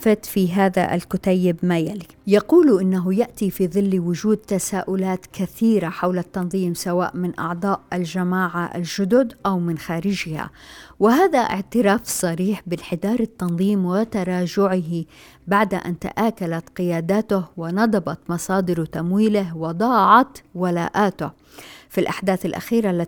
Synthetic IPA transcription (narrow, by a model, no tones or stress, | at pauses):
fat̪fiɦaːða̰ʔa̰lkʊt̪ajːɪbmajalijɑquːlʔɪnːaɦʊjaʔt̪ifiːðˤɨlːwʊʒuːd̪̚t̪asaːʔʊlaːt̪kaθiːɾaħawlat̪ːɑnðˤiːmsawa̰ːʔmɪnʔɑ̰ʕd̪ˤɑːʔalʒamaːʕaʔa̰lʒʊd̪ʊd̪ʔawmɪnxaːɾɪʒɪha̰wɪɦaːðaʔɪ̰ʕt̪ɪɾaːfsˤɑɾiːħbɪlħɪd̪ɑːɾˤɪt̪ːɑnðˤiːmwɪt̪ɑɾˤɑːʒʊʕɪɦi | baʕd̪ʔa̰nt̪a̰ʔaːkalat̪qɪjaːd̪aːt̪ʊhwɪnɑd̪ˤɑbɑt̪mɑsˤɑːd̪ɪɾt̪amwiːlɪɦwɪd̪ˤɑːʕɑt̪wala̰ːʔaːt̪ʊh | filʔaħd̪aːθalʔa̰xiːɾalːa